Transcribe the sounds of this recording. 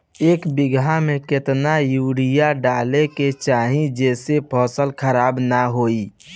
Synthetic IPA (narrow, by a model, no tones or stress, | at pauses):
eːkbɪɡʱamẽkɪt̪najuːɽijaɖaːleket͡ʃaːɦĩd͡ʒɛːsepʰɔːsəlkʰəɾaːbnaɦoːi